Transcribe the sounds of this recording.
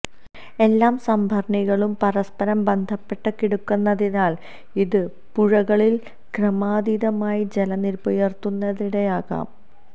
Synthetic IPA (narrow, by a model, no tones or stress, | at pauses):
e̞lːaːmsɐmbʱɐrɳiɣɐɭumpɐɾɐspɐɾɐmbe̞nd̪ʱɐpːe̞ʈːɨkːiɽukːunːɐðinaːl | iðɨ | puɻɐɣɐɭil | krɐmaːd̪iðɐmaːjid͡ʑe̞lɐnilpojert̪ːunːɐðiɽeaːɣa̰ːm